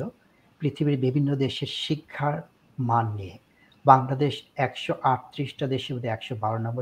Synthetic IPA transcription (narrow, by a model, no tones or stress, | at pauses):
o | pɾit̪ʰibiɾbibʱinːod̪eʃeɾʃikʰːaɾ | manːie | baŋlad̪eʃɛkʃoʔaʈ̚t̪ːɾiʃʈad̪eʃibod̪eɛkʃobaɾonɔmbo